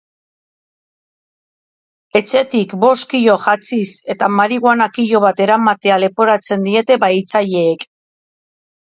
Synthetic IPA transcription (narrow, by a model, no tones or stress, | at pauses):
e̞t͡se̞t̪ikbo̞skiʎo̞ʝat͡sise̞t̪amaɾiɣwanakiʎo̞βat̪e̞ɾamat̪e̞ale̞po̞ɾat͡se̞nd̪ie̞t̪e̞βajt͡saʎe̞ːk